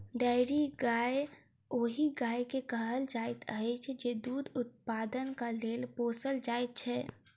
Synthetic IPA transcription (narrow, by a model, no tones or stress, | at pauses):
ɖaːɪɾiɡaːe | oɦiɡaːjkekəɦəld͡ʒaːɪt̪əɛt͡ʃʰɛd͡ʒed̪uːd̪ʊt̪̚paːd̪ənkaleːlpoːsəld͡ʒaːɪt̪̚t͡ʃʰɛ